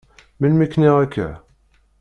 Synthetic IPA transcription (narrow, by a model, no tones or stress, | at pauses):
milmikːniʁækːæ̰